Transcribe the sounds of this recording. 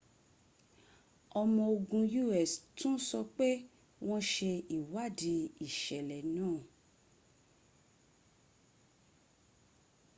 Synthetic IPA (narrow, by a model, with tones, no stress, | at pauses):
ɔ˧mɔ̃˧o˧ɡũ˧ju˦ɛ˨stũ˦sɔ˧k͡pe˦ | w̃ɔ̃˦ʃe˧i˨wa˦˨di˧i˦˨ʃɛ˨lɛ˨nãː˦˨